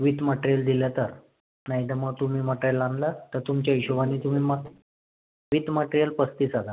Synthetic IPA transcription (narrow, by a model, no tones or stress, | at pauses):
ʋit̪məʈɾijəld̪iljat̪əɾ | naɦid̪əməɡ̚t̪um̤iːməʈɾijəland̪lət̪əɾt̪umt͡ɕaiɕuʋaniːt̪um̤iːmə | ʋit̪məʈɾijəlpəst̪iːsad̪ʱa